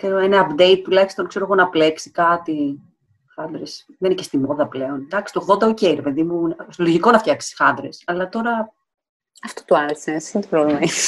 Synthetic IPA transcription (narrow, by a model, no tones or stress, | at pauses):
keɾoenɐːpd̪e̞it̪̚t̪ulɐçi̥st̪o̞nkse̞ɾo̞ɣonɐpleksi̥kɐt̪i | xɐnd̪ɾesðeninece̞st̪imoðɐple̞o̞nd̪ɐksi̥t̪oɣðo̞nd̪ɐoceiɾepe̞ðimunst̪oloʝiko̞nɐft̪çɐksi̥xɐnd̪ɾesɐlɐt̪o̞ɾɐ | ɐft̪ot̪oɐnet̪seinet̪opɾovlemɐi